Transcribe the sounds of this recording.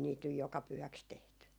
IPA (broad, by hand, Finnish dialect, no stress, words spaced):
niːt nyj jokɑ pyhæks tehty